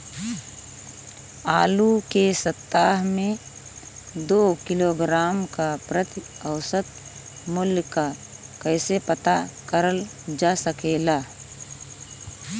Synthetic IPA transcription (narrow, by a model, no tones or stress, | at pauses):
aːlukesət̪ːaːɦmẽ | d̪oːkɪloɡɾaːmkapɾət̪i | əʊsət̪̚ | mʊljka | kəɪsepət̪akəɾəl | d͡ʒaːsəkelaː